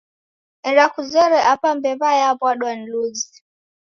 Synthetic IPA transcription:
ɛnɾakuzɛɾɛʔapambɛβajaβwaɗwan̩luzi

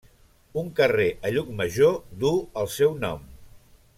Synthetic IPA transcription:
uŋkəreʔəʎuk̚məʒod̪uəlˠsɛwnɔ̰m

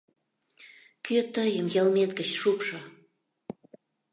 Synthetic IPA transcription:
køt̪əjəmjəlmet̪kət͡ɕʃupʃə

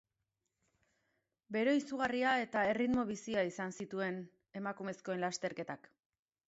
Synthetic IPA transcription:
be̞ɾe̞isuɣ̞ariae̞t̪ae̞rit̪mo̞β̞isiaisansit̪ue̞n | e̞makume̞sko̞e̞nlast̪e̞ɾke̞t̪ak

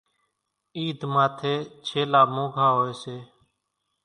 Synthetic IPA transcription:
iːd̪maːt̪ʰeːt͡ʃʰeːlaːmõːɡʱaːɦoːeːseː

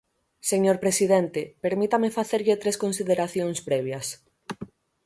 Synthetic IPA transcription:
seɲoɾpɾesiðent̪epeɾmit̪amefaθeɾʎet̪ɾeskonsiðeɾaθjoŋspɾɛβ̞jas

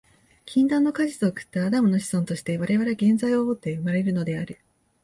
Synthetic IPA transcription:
kʲĩnd̪ãnːo̞kaʑit̪oːkɯ̥t̪ːaːd̪amɯ̟no̞ɕi̥sõ̞nt̪o̞ɕi̥t̪e̞β̞aɾe̞β̞aɾeɡẽ̞nzaio̞mot̪ːe̞ɯmaɾe̞ɾɯ̟no̞d̪e̞aɾɯ̟

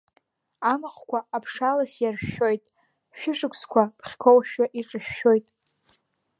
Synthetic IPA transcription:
amɨχkʷʰaapʰʂalasjarʃo̞jtʼ | ʃᶣɪʂɨkʷʰskʷʰapʰχʲkʰowʃᶣaʔiʈ͡ʂʼɨʃᶣːo̞jtʼ

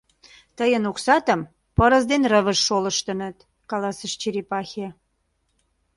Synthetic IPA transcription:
t̪əjənuksɑt̪əm | pəɾə̆zd̪enrəβəʃːoləʃt̪ə̆nət̪ | kɑlɑsəʃt͡ɕiɾipɑxʲe

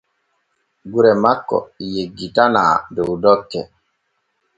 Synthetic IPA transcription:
ɡuɾɛmakːɔ̰jeɡːitana̰ːdowdɔkːɛ

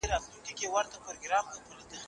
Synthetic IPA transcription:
eɾɑt̪lunkʲikewaɾt̪apʊɾoɡɾɑmlat̪ulid̪əx

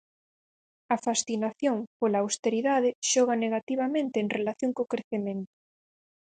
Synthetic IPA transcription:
ɐfasθinaθjoŋpolaːwst̪eɾiðað̞eʃɔɣ̞aneɣat̪iβamẽnt̪eːŋrelaθjoŋkokɾeθemẽnt̪ʊ̥

